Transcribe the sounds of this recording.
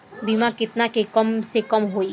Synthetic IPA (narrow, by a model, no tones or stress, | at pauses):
bimakɪt̪nakekəmsekəmɦoːi